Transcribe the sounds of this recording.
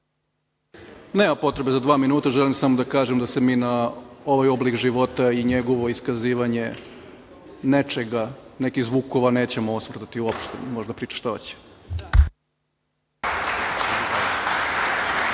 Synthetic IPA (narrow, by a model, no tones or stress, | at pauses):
neːmampo̞t̪ɾe̞be̞zad̪ʋaːminuːt̪aʒelimsamod̪akaːʒemd̪ase̞miːnao̞ʋajo̞blikʒiʋo̞t̪aiɲe̞ɡo̞ʋo̞iskaziːʋaɲe̞ | ne̞t͡ʃe̞ɡane̞kiɣzʋuːko̞ʋaneːt͡ɕe̞moosʋr̩d̪at̪iuopʃt̪ḛmo̞ʒd̪apɾiːt͡ʃḁʃt̪aḛt͡ɕe̥